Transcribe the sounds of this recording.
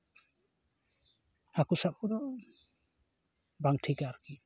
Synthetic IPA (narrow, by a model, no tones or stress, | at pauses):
akusap̚udɔ | baŋʈʰikaɾki